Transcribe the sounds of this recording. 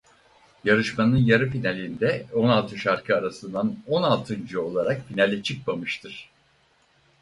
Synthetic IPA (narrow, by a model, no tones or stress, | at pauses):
jaɾɯʃmanɯnjaɾɯpinalʲind̪ɛo̞nalˠt̪ʰɯʃaɾkʰɯaɾasɯnd̪ano̞nalˠt̪ʰɯnd͡ʒɯo̞lˠaɾak̚pinalʲɛt͡ʃʰɯk̚mamɯʃt̪ʰɯɾ̥